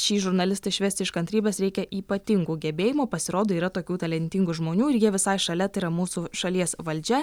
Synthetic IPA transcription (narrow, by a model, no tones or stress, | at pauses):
ʃʲiːʒʊɾnɐlʲɪst̪ɐɪʃʲʋʲæːsʲt̪ʲɪʃkɐnt̪ɾʲiːbʲɛsɾʲɛɪkʲɛʔiːpɐt̪ʲɪŋɡuːɡʲɛbʲeːjɪmoːpɐsʲɪɾoːd̪oːiːɾɐt̪oːkʲuːt̪ɐlʲɛnʲt̪ʲɪŋɡuʒmoːnʲuːɪɾjiɛʋʲɪsɐɪʃɐlʲɛt̪ɐɪɾɐmuːsuʃɐlʲiɛsʋɐlʲd͡ʒʲɛ